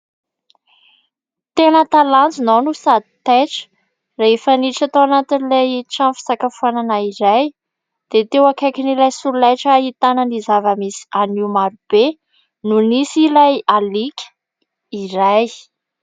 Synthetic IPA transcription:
t̪enət̪alant͡sinonusad̪it̪eʈ͡ʂə̥ | reefəniʈ͡ʂat̪awanat̪inileʈ͡ʂãnfi̥sakafananaiɾaj | d̪̥et̪ewakajkinilajsuɾulajʈ͡ʂəit̪anənizavəmisi̥aniumaɾub̥e | nunisilajalikʲə̥ | iɾaj

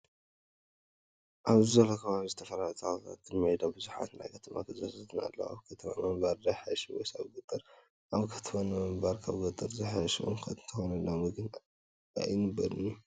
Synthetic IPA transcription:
ʔaβzizɐlokʰɐβaβizɨt̪ʰɐfɐlalt̪ʰat̪ʰat̪ːɨnmɐʕid̪abɨzuħa̰t̪ɨna̰jkʰɐt̪ʰɐma̰kʰɨzasɐt̪ʰɨna̰lːɐ̰wa̰βkʰɐt̪ʰɐma̰mɐmbaɾd̪ajħajʃiwɔ̰jsaβɡɨt̪ʼːɨɾ | ʔaβkʰɐt̪ʰɐmanɨmɐmbaɾkʰaβɡɐt̪ʼːɨɾzɐħajʃiʔo̰mkʰɐɨnt̪ʰɐxonɐlːamɨɡɨn | a̰jnɨbːɐɾɨnːu

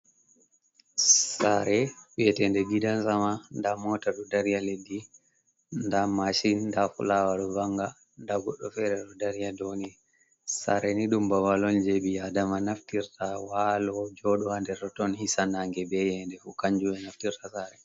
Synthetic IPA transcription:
saɾɛujɛtɛndɛɡidansamandamɔtaɗɔdaɾijaledːi | ndamaʃinːdafṵlawaɗɔbaŋɡa | ndaɡɔɗːɔfɛɾɛɗɔdaɾijadoni | sa̰ɾɛniɗumbawalɔnd͡ʒeɓiadamanaftiɾtawalɔd͡ʒɔɗɔhandɛɾɗɔtɔnhisanaŋɡɛbɛjɛndɛfukaɲd͡ʒuwɛnaftiɾtasaɾɛ

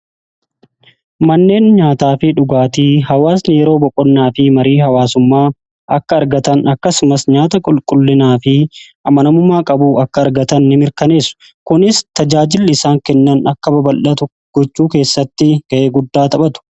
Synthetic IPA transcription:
mɐnːe̞ːnɲaːt̪aːfɪᶑʊɡaːt̪iːhɐwaːsneːɾo̞ːbɔkʼɔnːaːfɪmɐɾiːhɐwaːsʊmːaː | ʔɐkːɐːɾɡɐt̪ɐnɐkːɐsʊmɐsɲaːt̪ɐkʼʊlkʼʊlːɪnaːfɪʔɐmɐnɐmʊmaːkʼɐbuːɐkːɐːɾɡɐt̪ɐnːɪmɪɾkɐne̞ːsːʊ̥ | kʊnɪst̪ɐd͡ʒaːd͡ʒɪlːɪsaːŋkɛnːɐnɐkːɐbɐbɐlʔɐt̪ʊ | ɡ̥ɔt͡ʃːuːke̞ːsːɐt̪ːɪɡ̥ɐʔe̞ːɡʊd̪ːaːt̪ɐɓɐt̪ʊ̥

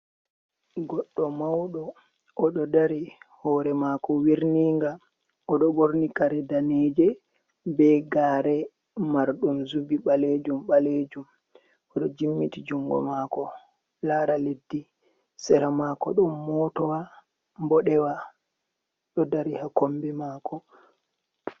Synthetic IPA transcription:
ɡɔɗːɔmawɗɔ | ʔɔɗɔdaɾihɔːɾɛmakɔwiɾniŋɡa | ɔɗɔboɾnikaɾɛdaned͡ʒɛ | bɛɡaːɾɛ | maɾɗumzubiɓaled͡ʒumɓaled͡ʒum | ɔɗɔd͡ʒimːitid͡ʒuŋɡɔ̰maːkɔ | laːɾaledːi | sɛɾamakɔ̰ɗɔnmɔtɔwa | mbɔɗɛwa | ɗɔdaɾihakombimaːkɔ

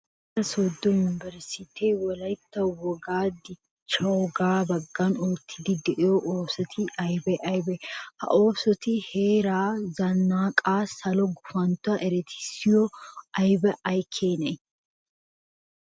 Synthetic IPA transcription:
t̪ːɐsoːd̪ːɔjʊnɪbɛɾsɪt̪ʰeːwɔlɐjt̪ːɐwɔɡaːd̪ɪ | t͡ʃːɐwɔɡaːbɐɡːanoːt̪ʰːɪd̪ɪd̪ɛʔɪjɔʔoːsɔt̪ʰɪʔɐjbɛʔɐjbɛhɐ̰ʔo̞ːsɔt̪ɪhe̞ːɾaːzɐnːaːkʼaːsɐlɔɡʊfɐnt̪ʊaʔɛɾɛt̪ʰɪ̥sɪjɔɐjbɛʔɐjkʰːeːnɐj

